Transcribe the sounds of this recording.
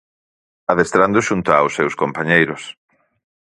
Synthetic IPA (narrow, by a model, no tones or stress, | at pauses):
aðest̪ɾand̪ʊʃunt̪ʊawsːewskompaɲejɾʊs